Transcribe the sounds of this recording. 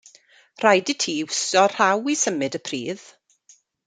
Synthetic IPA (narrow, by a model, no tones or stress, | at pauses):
r̥ajditʰiːʊsɔr̥r̥awisəmɨdəpʰriːð̥